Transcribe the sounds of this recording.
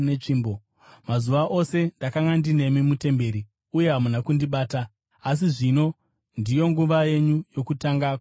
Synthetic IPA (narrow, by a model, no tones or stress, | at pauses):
net͡ʂiːmbo | mazuʋaʔo̞se̞ndakaŋɡandine̞mimute̞mbe̞ɾi | uje̞ɦamunakundiɓaːta | as̬iʐino̞ | ndijo̞ŋɡuʋaje̞ɲujo̞kutaŋɡak